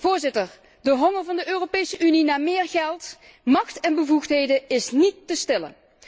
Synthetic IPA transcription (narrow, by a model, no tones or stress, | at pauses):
vʊːɹzɪtəɹ | dəɦɔŋəɹvɑndəʔøːropejsəʔyninaːmɪːɹɣɛlˠt | mɑxtɛnbəvuxtɦejdəɪsnitːəstɪlə̰